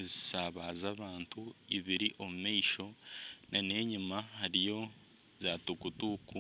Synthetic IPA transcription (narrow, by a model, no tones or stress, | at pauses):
zisaːβazaβaːntuiβiɾiʔo̞mumaiʃo̞nʔane̞ːɲimahaɾijo̞ | zaːtukutuku